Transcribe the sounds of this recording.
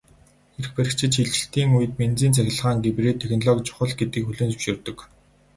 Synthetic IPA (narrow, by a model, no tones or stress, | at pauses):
xeɾxpæɾʲɪ̆kt͡ɕʰɪ̆ʃʰiɮt͡ɕɪ̆ɬt̪iːŋujɘ̆t̪̚ment͡siːnt͡sʰæxʲɪ̆ɮʁaːŋɡepreːt̪ʰːexnɔɮɔkt͡ɕʰʊ̥χə̆ɮɡet̪ɡiːkxɵɮɘ̆ːnt͡sɵwʃɪ̆rt̪ɵ̆k